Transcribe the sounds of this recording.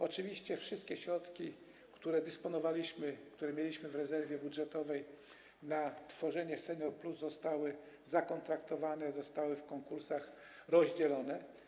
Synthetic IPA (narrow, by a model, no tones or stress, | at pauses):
ɔt͡ʂɘvʲiɕt͡ɕɛfʂɘst̪̚kʲɛɕɾɔt̪kʲi | kt̪uɾɛd̪ɘspɔnɔvalʲiɕmɘkt̪uɾɛmʲjelʲiɕmɘvɾɛzɛɾvʲjɛbudʐɛt̪ɔvɛj | nat̪fɔʐɛɲɛsɛɲʲɔɾpluzːɔst̪awɘ | zakɔnt̪ɾakt̪ɔvanɛzɔst̪awɘfkɔŋkuɾsax | ɾɔʑd͡ʑɛlɔnɛ